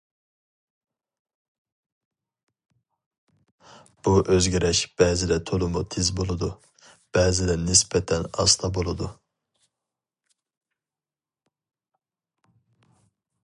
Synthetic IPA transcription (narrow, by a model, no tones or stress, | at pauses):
b̥uʔøzɡʲɛɾɛʃb̥ɛːzɪd̪ɛt̪ʰolˠumut̪ʰezbolˠɨd̪u | b̥ɛːzɪd̪ɛnɪspɛt̪ʰɛnɑ̰st̪ʰɑbolˠɨd̪u